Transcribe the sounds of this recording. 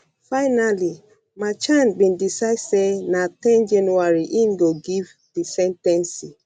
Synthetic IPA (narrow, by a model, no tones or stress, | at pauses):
faɪnali | mat͡ʃãnbĩndisasenatɛ̃nd͡ʒanuaɹiʔĩnɡoɡiv | disɛ̃ntɛ̃nsi